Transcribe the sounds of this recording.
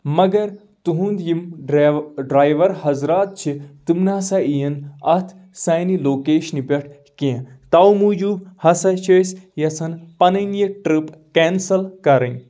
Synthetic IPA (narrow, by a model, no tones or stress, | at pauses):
mɐɡɐɾ | t̪uɦũːnd̪jimɖɖɾaːjʋɐɾɦɐzɾaːt̪̚t͡ʃʰit̪imnaːsɐijɐnɐ̰t̪ʰ | sajniloːkeːʃnipʲeʈʰ | kẽːt̪awmud͡ʒuːbhɐsɐt͡ʃʰɐjsjɐt͡sʰɐnpɐnɐnjeʈɾipkɛːnsɐlkɐɾɐn